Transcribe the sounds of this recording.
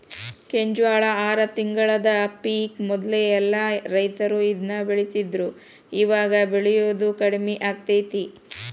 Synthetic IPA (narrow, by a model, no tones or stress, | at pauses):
keɲd͡ʒʋaːɭɐaːɾɐt̪iŋɡɐɭɐd̪ɐpiːkmɔd̪leɛlːɐɾɐjt̪ɐɾuid̪nɐbeɭisid̪ɾu | iʋaːɡɐbeɭɛjoːd̪ukɐɽmiʔaːɡ̚t̪ɐjt̪i